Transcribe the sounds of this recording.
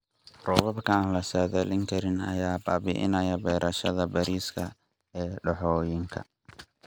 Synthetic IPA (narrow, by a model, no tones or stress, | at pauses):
rɔβɐbkʰaːnlɐsɐðɛlɪŋkʰɐɾɪnɐ̰jaːbaːbɪ̰ʔɪ̰nɐjɐbɛːɾʔɐʃɐðɐbɐɾiːskʰɐ | ɛːɖɐħɔːjɪŋkʰɐ̰